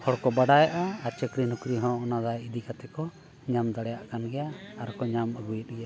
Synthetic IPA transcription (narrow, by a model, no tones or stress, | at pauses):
hɔɽkɔbaɽajaʔaːɾt͡ʃɛkɾinukɾiɦɔ̃ɔnad̪ajid̪ikat̪ɛkɔ | ɲamd̪aɽɛjaʔkanɡɛjaːɾkɔɲaməɡujət̪̚ˀɡɛja